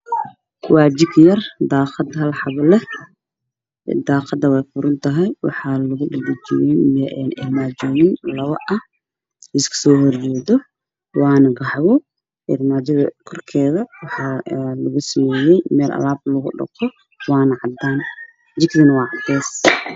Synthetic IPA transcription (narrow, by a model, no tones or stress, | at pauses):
kʰʊwɑːt͡ʃɪɡjɐrd̪aːqɑd̪ɦɐlħɑβlɛ | d̪aːqɑd̪ɐwɛjfʊɾʊnt̪ʰɐɦɛjwɑ̰ħɑːlʊɣʊɗɐdɪt͡ʃɪjɛjmːnʔɪ̰rmaːd͡ʒɔːnɪnlɐβɐʔɐh | ɪskʰʊ̥sɔːhɔrd͡ʒɛːðɔ | wɑːnɐɡɑħβɔ | ʔɪrmaːd͡ʒɐðɐkʰɔrkʰɛːðɐwɑħɑːlɐɣʊsɐmɛːjɛjmɛːlʔɐ̰laːb̚lɐɣʊ̰ɖɐ̰qɔ | wɑːnɐʕɑd̪aːn | t͡ʃɪɡðɐnɐwɑːʕɑd̪ɛːs